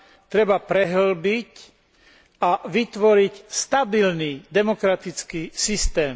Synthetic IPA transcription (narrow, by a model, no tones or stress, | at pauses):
t̪ɾɛbapɾɛɦl̩bic | aʋit̪ʋɔɾicst̪abilniːd̪ɛmɔkɾat̪it͡skiːsist̪ɛːm